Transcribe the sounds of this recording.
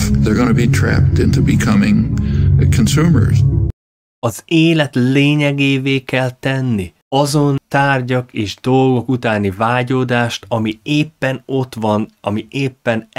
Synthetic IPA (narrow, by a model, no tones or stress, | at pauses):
ðə˞ɡõnəbitʰɹ̥æ̰p̚tɪ̃ntubɨkʰʌmɪ̃ŋ | kʰɨ̃nsumə̰˞z̥ | ɒzeːlɛt̪leːɲɛɡeːveːkɛlt̪ɛnːi | ɒzo̞nt̪aːrɟɒkeːʒd̪o̞lɡo̞kut̪aːnivaːɟoːd̪aːʃt̪ɒmieːpːɛno̞t̪ʋɒnɒmiʔeːpːɛn